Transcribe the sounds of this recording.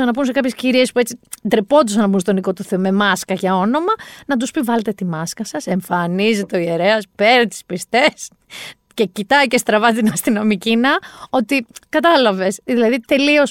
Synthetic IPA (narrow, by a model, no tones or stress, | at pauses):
ɐnɐp̬unse̞kɐpçesciɾie̞spuet͡sid̪ɾepo̞d̪usɐnɐpunst̪oniko̞t̪uθe̞ome̞mɐskɐʝɐo̞no̞mɐnɐd̪uspivɐle̞t̪e̞t̪imɐskɐsɐse̞ɱfɐnizit̪oieɾe̞ɐspe̞ɾit̪i̥spist̪es | ce̞cit̪ɐjce̞st̪ɾɐvɐt̪inɐst̪ino̞micinɐo̞t̪ikɐt̪ɐlɐve̞sðilɐðit̪e̞lio̞s